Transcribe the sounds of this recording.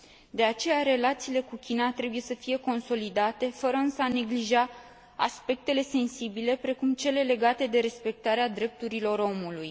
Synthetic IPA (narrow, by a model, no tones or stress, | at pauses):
d̪e̞at͡ʃe̞jaɾe̞lat̪siːle̞kukʲinat̪ɾe̞buje̞səfije̞ko̞nso̞lid̪at̪e̞fəɾəɨnsəane̞ɡliʒa | a̰spe̞k̚t̪e̞le̞se̞nsibile̞pɾe̞kumt͡ʃe̞le̞le̞ɡat̪e̞d̪e̞ɾe̞spe̞k̚t̪aɾead̪ɾe̞p̚t̪uɾilo̞ɾo̞muluj